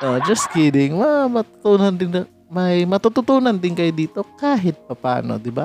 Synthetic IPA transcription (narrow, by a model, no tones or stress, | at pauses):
od͡ʒɐs̚kidɪŋmɐmɐt̪ʊ̥t̪uːnɐnd̪ɪn | mɐjmɐt̪ut̪ʊt̪uːnɐnd̪ɪŋkɐjʊd̪iːt̪o̞kaːɦɪt̪̚pɐpa̰ːno̰d̪ɪba̰